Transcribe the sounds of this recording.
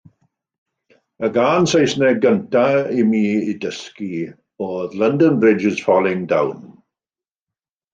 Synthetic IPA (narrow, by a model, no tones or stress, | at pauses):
əɡaːnsejsnɛɡəntaimiːidəski | oːðləndə̃nbɹɪd͡ʒɪz̥fɔlˠɪ̃ŋda̰wn